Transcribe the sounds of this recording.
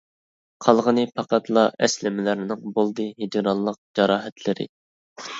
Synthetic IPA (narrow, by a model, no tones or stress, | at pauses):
qʰɑlˠʁənɨpʰɑqɑt̪lˠɑʔɛslɪmɪlɪɾɪnɪŋbolˠd̪ɨɦid͡ʒ̪ɪɾɑlˠːəq̚d͡ʒɑɾɑːɦɛt̪ʰlɪɾɪ̰